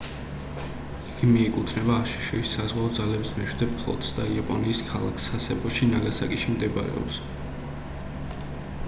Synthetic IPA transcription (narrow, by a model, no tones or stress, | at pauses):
iɡ̥imiɛkʼut̪ʰnɛbaːʃi̥ʃɛisazʁwaɔd̪zalɛbismɛʃwd̪ɛppʰlˠɔ̰t̪ʰʼsd̪aiapʼɔniːskʰalˠa̰kʰsasɛpʼɔʃinaɡasa̰kʼiʃimd̪ɛba̰ɾɛ̰ɔ̰ps